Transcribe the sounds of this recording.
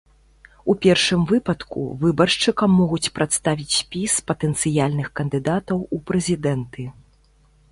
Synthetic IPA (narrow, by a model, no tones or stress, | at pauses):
upʲɛrʂɨmvɨpɐt̪kṵvɨbɐrʂt͡ʂɨkɐmːɔɣut͡sʲpɾʔat̪st̪avʲit͡sʲspʲispɐt̪ɛnt̪sɨjalʲnɨxkɐnd̪ɨd̪at̪ɐwupɾɛzʲid̪ɛnt̪ɨ